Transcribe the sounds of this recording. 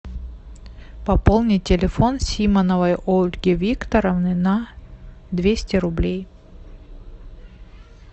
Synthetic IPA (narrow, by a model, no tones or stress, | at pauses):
pɐpolˠnʲɪtʲːɪlʲɪfo̞nsʲimənəvəjolʲɡʲɪvʲikt̪əɾəvnɨnɐ | d̪vʲesʲtʲɪɾʊblʲej